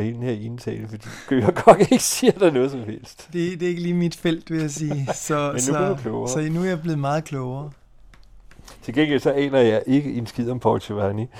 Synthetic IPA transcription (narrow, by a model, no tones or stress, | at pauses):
helnheɐe̝nt͡sʰɛ̰ːləfɒd̥ḭːsɡ̥øjɑɡ̥ɒ̽d̥eɡ̥əsiɐd̥ɑnɔ̽ːð̞ˠsɒ̽mhel̰sd̥d̥e̝d̥e̝e̝ɡ̥əliːmid̥fel̰d̥ʋe̝jas̬iːsɒ̽sɒkʰlɔʊɐsɒ̽nuæɐjab̥le̝ːð̞̩ˠmɑ̈ːð̩ˠkʰlɔʊɐː | t͡sʰe̝lɡen̰ɡ̥elsɒ̽ʔɛ̰ːnɐjɑ̈ɪʔe̝ɡ̥əʔe̝nsɡ̥ið̰ˠɒmpʰɒlseʋæni